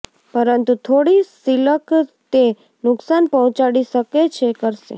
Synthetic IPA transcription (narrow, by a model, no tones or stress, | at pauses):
pəɾənt̪ut̪ʰoɽisiləkt̪e | nʊksanpɔɦɔ̃t͡ʃaɽiʃəket͡ʃʰekəɾʃḛ